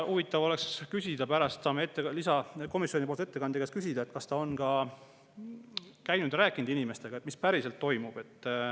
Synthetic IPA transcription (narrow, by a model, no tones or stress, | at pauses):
ʔuvit̪ːˑɑvo̞le̞kskysʲid̪̥ɑpæɾɑst̪sɑːmeet̪ːelisɑko̞misjoipolt̪e̞t̪ːe̞kɑnd̪ekeskysʲid̪̥ɑe̞t̪kɑst̪ɑo̞nɡɑ | kæjnud̪̥ræːkːˑind̪inime̞st̪e̞ɡ̥ɑet̪mispæɾise̞lt̪ːo̞jmub̥e̞t̪ːˑ